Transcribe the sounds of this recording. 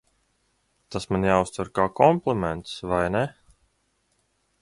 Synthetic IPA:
t̪asmanjaːust̪vuɾkaːkɔmplˠɛmɛnt̪svajnɛ

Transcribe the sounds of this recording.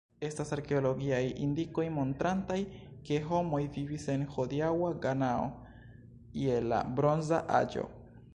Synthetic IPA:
e̞stasaɾke̞olo̞ɡiajḭndiko̞jmo̞ntɾantajke̞ɦo̞mo̞jvivise̞nho̞diawaɡanao̰ | iela̰bɾo̞nzaʔa̰d͡ʒo̞̰

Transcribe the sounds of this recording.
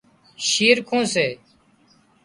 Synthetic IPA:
ʃiːɾkʰõːseː

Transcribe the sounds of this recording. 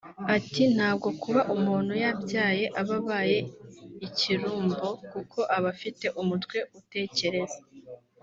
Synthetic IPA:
atin̥haːbɡo̞kuβaʔumuːn̥hujabɟaːje̞ʔaβaβaːje̞iciɾuːmbo̞kukʰo̞ʔaβafite̞ʔumutwe̞ute̞ːce̞ɾe̞za

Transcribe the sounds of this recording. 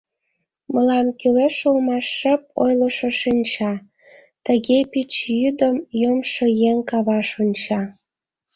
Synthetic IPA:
məlɑmkyleʃulmɑʃːəp̚o̰jləʃəʃinʲt͡ɕɑ | t̪əɣepit͡ɕjyd̪əmjəmʃɤjeŋkɑβɑʃonʲt͡ɕɑ

